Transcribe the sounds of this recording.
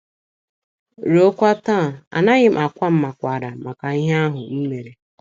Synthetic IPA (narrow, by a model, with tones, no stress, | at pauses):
ɾo˦kʷa˦taː˦˨a̰˨na˦ɣɪ˦m˦a˨kʷa˦m̩˦ma˨kʷa˨ɾa˨ma˨ka˨i˦ɦe˦a˦ɦʊ˨m̩˦me˨ɾe˨